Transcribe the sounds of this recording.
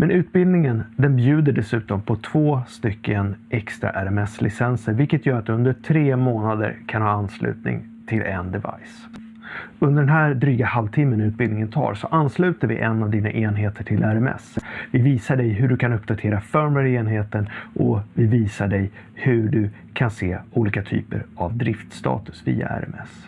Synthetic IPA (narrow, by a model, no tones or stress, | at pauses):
mʔɛnʉ̟ːt̪̚bɪld̪nɪŋənd̪ɛnbjʉ̟ːd̪əɖɛsʉ̟ːt̪ɔmpʰɔt̪ʰv̥oːst̪ʏkːənʔɛkst̪ɾa̰ʔæɾɛmɛslɪ̰sɛnsəɾvɪlkːət̪ʰjœːɾat̪̚d̪ɵɵnd̪əʈʰɾeːmoːnad̪ə̰ɾkʰanhɑːanslʉ̟̰ːt̪nɪ̰ŋ | t̪ʰɪlʔɛ̰nd̪ɛva̰js | ɵnd̪əɖɛnɦæːɾɖ̪ɾyːɡahalvt̪ʰɪmːənʉ̟ːt̪̚bɪld̪nɪŋənt̪ʰɑ̰ːɾsɔʔanːslʉ̟ːt̪aɾvɪ̰ʔɛnːavd̪iːna̰ʔeːnɦeːt̪ʰəʈʰɪlʔæɾɛmɛ̰svɪviːsaɖɛjɦɵɖɵkʰanɵpːd̪at̪ʰeːɾafœɾmɛɾeːnɦeːt̪ənʔɔvɪviːsaɖɛj | hɵɖɵ | kʰanseːuːliːkat̪ʰy̰ːpə̰ɾavd̪ɾɪft̪st̪ɑ̰ːt̪ɵ̥svḭːa̰æ̰ɾɛ̰mɛ̰s